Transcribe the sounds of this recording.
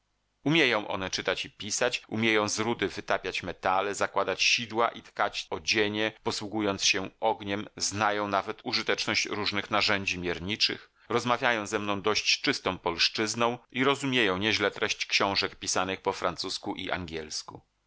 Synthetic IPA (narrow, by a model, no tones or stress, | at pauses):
umʲjejɔ̃w̃ʔɔ̰n̪ɛt͡ʂɘt̪at͡ɕipʲisat͡ɕumʲjejɔ̃w̃zɾud̪ɘvɘt̪apʲjat͡ɕmɛt̪alɛzakwad̪at͡ɕɕid̪waʔit̪kat͡ɕɔd͡ʑeɲɛpɔswuɡujɔnt̪sɕɛʔɔɡɲɛmznajɔ̃w̃navɛt̪uʐɨt̪ɛt͡ʂnɔɕt͡ɕɾuʐnɘxnaʐɛɲd͡ʑimʲjɛɾɲit͡ʂɘ̰x | ɾɔzmavʲjajɔ̃w̃zɛmnɔ̃w̃d̪ɔɕt͡ɕt͡ʂɘst̪ɔ̃w̃pɔlʂt͡ʂɘznɔ̃w̃ʔiɾɔzumʲjejɔ̃w̃ɲɛʑlɛt̪ɾɛɕt͡ɕkɕɔ̃w̃ʐɛkpʲisanɘxpɔfɾant̪suskuʔḭʔa̰ŋɡʲɛlsku